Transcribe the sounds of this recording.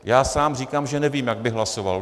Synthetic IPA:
jaːsaːmriːkaːmʒɛnɛviːmjaɡ̚bɪɦlasova̰l

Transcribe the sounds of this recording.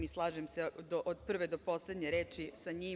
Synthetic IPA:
mislˠaːʒemsed̪oʔod̪pr̩ʋed̪opo̞sled̪ɲeɾeːt͡ʃisaɲiː

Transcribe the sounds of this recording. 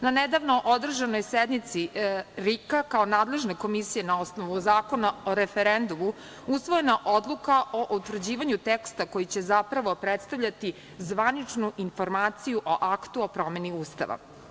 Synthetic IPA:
naned̪aʋnoʔod̪r̩ʒano̞jsed̪nit̪siɾikakao̞naːd̪le̞ʒneko̞misije̞nao̞snoʋuzaːko̞nao̞ɾefeɾend̪umu | usʋojenaʔo̞d̪lˠukaʔo̞ʔut̪vr̩d͡ʑiːʋaɲut̪ekst̪akojit͡ɕe̞zapɾaʋo̞pɾet̪st̪aʋʎat̪i | zʋanit͡ʂnuʔinfo̞ɾmaːt̪sijuʔo̞ʔakt̪uopɾo̞me̞niuːst̪a̰ʋa̰

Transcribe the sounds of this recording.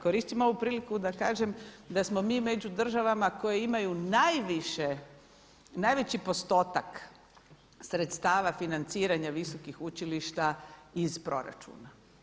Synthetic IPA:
ko̞ɾiːst̪imoo̞ʋupɾiːlikud̪akaːʒe̞md̪asmo̞miːme̞d͡ʑud̪r̩ʒaʋamako̞jeimajunajʋiʃe | najʋet͡ɕipo̞st̪o̞ːt̪ak | sɾet̪st̪aːʋafinant̪siːɾaɲaʋiso̞kixut͡ʃiliʃt̪aizpɾo̞̰ɾa̰t͡ʃṵːna

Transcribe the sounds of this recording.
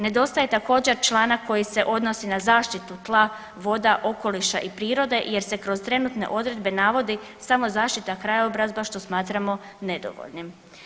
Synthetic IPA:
ne̞d̪o̞st̪aje̞t̪ako̞ːd͡ʑe̞ɾt͡ʃlˠaːnako̞jise̞ʔo̞d̪no̞sinazaːʃt̪it̪ut̪lˠa | ʋo̞d̪aʔo̞ko̞liʃa̰ʔipɾiːɾo̞d̪e̞ʔje̞ɾse̞kɾo̞zt̪ɾe̞nut̪ne̞̰ʔo̞d̪ɾe̞d̪be̞naʋo̞d̪i | samo̞zaːʃt̪it̪akɾajaobɾazbaʃt̪o̞smaːt̪ɾamo̞ | ne̞d̪o̞̰ʋo̰ʎnim

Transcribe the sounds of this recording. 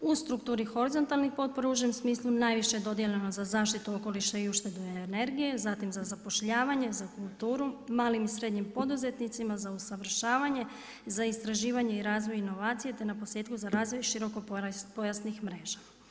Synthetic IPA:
ust̪ɾukt̪uːɾixo̞ɾizo̞nt̪alnixpo̞t̪̚po̞ɾauʒemsmiːslˠunaːjʋiʃed̪o̞d̪jeʎeno̞zazaːʃt̪it̪uo̞ko̞liʃaiuʃt̪e̞d̪uene̞ɾɡije̞zat̪imzazapo̞ʃʎaːʋaɲe̞zakulˠt̪uːɾumaːlimisɾe̞d̪ɲimpo̞d̪uze̞t̪nit̪simazausaʋr̩ʃaːʋaɲe̞ | zaist̪ɾaʒiːʋaɲe̞iɾaːzʋo̞jino̞ʋaːt̪sije̞t̪e̞napose̞ːt̪kuzaɾaːzʋo̞jʃiɾo̞ko̞popo̞jasnixmɾe̞ːʒa

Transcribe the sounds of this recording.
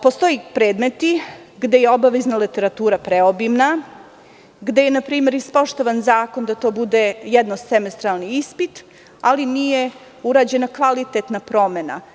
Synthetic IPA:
po̞st̪o̞jipɾeːd̪me̞t̪i | ɡd̪e̞jeo̞baʋeznalit̪e̞ɾat̪uːɾapɾeo̞bimna | ɡd̪eje̞napɾiːme̞ɾispoʃt̪o̞ʋanzaːko̞nd̪at̪o̞ːbud̪e̞jɛd̪nosemest̪ɾalˠniispit̪ | alinije̞ | uɾaːd͡ʑe̞nakʋalit̪et̪napɾo̞mena̰

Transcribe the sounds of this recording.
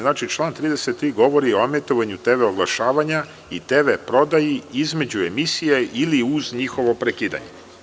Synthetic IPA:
znaːt͡ʃit͡ʃlˠaːnt̪ɾiːd̪e̞set̪ːɾiːɡo̞ʋo̞ɾioamet̪oʋaɲut̪eʋeoɡlˠaʃaːʋaɲa | it̪e̞ʋepɾo̞d̪ajiizme̞d͡ʑue̞misijeiliuzɲixo̞ʋo̞pɾekiːd̪a̰ɲe

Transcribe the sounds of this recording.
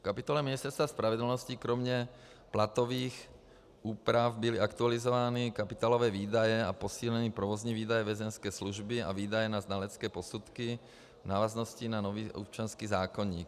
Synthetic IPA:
fkapit̪ɔlɛmɪɛstɛɾst̪ʋaspɾaʋɛd̪l̩nɔscikɾɔmɲɛ | plat̪ɔʋiːx | ʔuːpɾafbiliakt̪ualizɔʋaːnikapit̪aːlɔʋɛːʋiːd̪ajɛapɔsiːlɛniːpɾɔʋɔzɲiʋiːd̪ajɛʋɛzɛnskɛːsluʒbia̰ʋiːd̪ajɛnaznalɛt͡skɛːpɔsut̪ki | naːʋaznɔscinanɔʋiːʔɔ̰p̚t͡ʃɪanskiːzaːkɔɲḭːk

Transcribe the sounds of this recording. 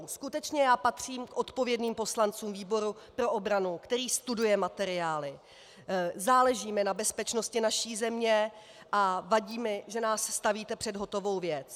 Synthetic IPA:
skut̪ɛt͡ʃɲɛjaːpat̪r̝̥iːmkʔo̞t̪po̞vjɛdniːmpo̞slant͡suːmviːbo̞ɾu | pɾo̞ʔo̞bɾanukt̪ɛɾiːst̪udujɛmat̪ɛɾɪaːlɪ | zaːlɛʒiːmɪnabɛspɛt͡ʃno̞scɪnaʃiːzɛmɲɛ | ʔavaɟiːmɪʒɛnaːsst̪aviːt̪ɛpr̝̥ɛdɦo̞t̪o̞vo̞wvjɛt͡s

